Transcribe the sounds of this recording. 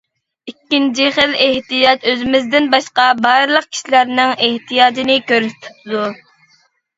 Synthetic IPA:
ikʲːint͡ʃʰiχəleht̪ijɑt̪øzɪmɪzd̪ɪnbɑʃqɑbɑɾɨlˠəq̚kʲʰi̥ʃilæɾnɪŋeht̪ʰijɑːd͡ʒinɪkʲøɾyst̪ʰy̥t̪ud̪u

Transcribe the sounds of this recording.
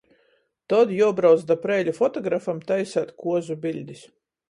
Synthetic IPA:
t̪ɔd̪juɔbɾaw̪zd̪apɾɛːlʲufɔt̪ɔɡɾafamt̪ajsæt̪kuɔzubʲilʲd̪ʲis

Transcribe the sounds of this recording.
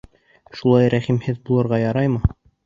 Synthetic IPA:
ʃulˠɑjɾæχimhɘðbulˠɤ̆ɾʁɑjɑɾɑjmɤ

